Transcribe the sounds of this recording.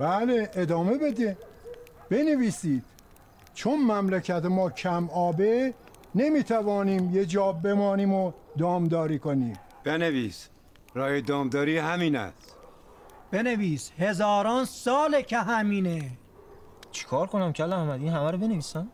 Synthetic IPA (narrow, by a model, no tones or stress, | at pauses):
b̥æleed̪ɒːme̞be̞d̪e | b̥e̞neviːsiːd̪̥ | t͡ʃʰonmæmlæcʰæt̪emɒːcʰæmɒːbe | nemiːt̪ʰævɒːniːmjed͡ʒɒːbe̞mɒːniːmod̪ɒːmd̪ɒːɾiːkoniːm | b̥enevḭːs | ɾɒːjed̪ɒːmd̪ɒːɾiːhæmiːnæ̰s | b̥e̞neviːshezɒːɾɒːnsɒːlecʰeɦæmiːne | t͡ʃʰi̥kʰɒːɾkonæmcʰælæhmæd̪iːnɦæmæɾobeneviːsæm